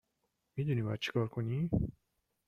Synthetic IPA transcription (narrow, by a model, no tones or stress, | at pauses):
mid̪uniba̰t̪̚t͡ʃʰi̥kʰɔɾkʰoni